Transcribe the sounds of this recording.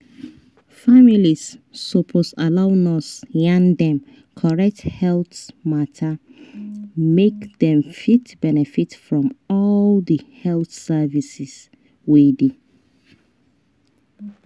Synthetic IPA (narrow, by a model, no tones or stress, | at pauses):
familisːopʰosalaʊnɔsãndɛ̃m | kʰɔɹɛk̚thɛlθmatʰa | mekdɛ̃mfitb̥ɛnɛfitfɹɔ̃mɔldihɛlˠθsɛvisis | widi